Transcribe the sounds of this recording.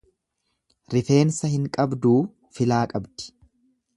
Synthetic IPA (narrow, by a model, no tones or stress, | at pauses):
ɾɪfe̞ːnsɐhɪŋkʼɐbd̪uː | fɪlaːkʼɐbd̪ɪ̥